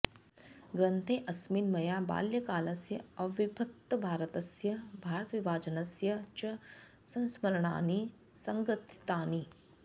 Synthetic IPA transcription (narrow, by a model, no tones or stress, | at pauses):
ɡɾɐ̃nt̪ʰẽːʔɐsmiːnmɐjaːba̰ːljɐkaːlɐsjɐɐʋɪbʱɐk̚t̪ɐbʱaːɾət̪ɐsjɐbʱaːɾət̪ʋibʱaːd͡ʒɐnɐsjɐt͡ʃɐ | sɐ̃nsmɐɾɳa̰ːniː | sɐŋɡɾət̪ʰi̥t̪aːniː